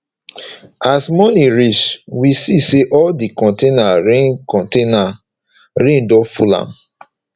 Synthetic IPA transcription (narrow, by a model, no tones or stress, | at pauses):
asmɔniɹit͡ʃwisiseʔɔldikɔ̃ntenaɹẽnkɔ̃ntena | ɹẽndɔfulã̰m